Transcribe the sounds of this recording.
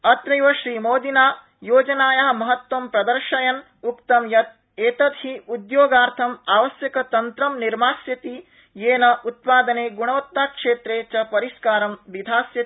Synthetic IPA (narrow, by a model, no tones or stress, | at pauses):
ɐt̪ɾɐjʋɐʃɾiːmoːd̪inaː | joːd͡ʒɐnaːjɐɦɐ̆mɐɦɐt̪wɐmpɾɐd̪ɐɾʃɐjɐn | ukt̪ɐmjɐt̪̚ | eːt̪ɐt̪hiud̪joːɡaːɾt̪ʰɐmaːʋɐsjɐkɐt̪ɐnt̪ɾɐmniɾmaːsjɐt̪i | jeːnɐʔut̪̚paːd̪ɐneːɡuɳ̃ɐʋɐt̪ːaːkʂeːt̪ɾeːt͡ʃɐpɐɾiʃkaːɾɐmʋid̪ʱaːsjɐt̪i̥